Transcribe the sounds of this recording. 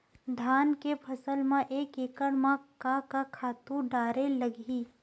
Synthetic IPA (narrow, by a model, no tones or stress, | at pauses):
d̪ʱaːnkepʰɐsəlmãʔeːkeːkəɽmãkakakʰaːt̪ũɖaːɾelɐɡiː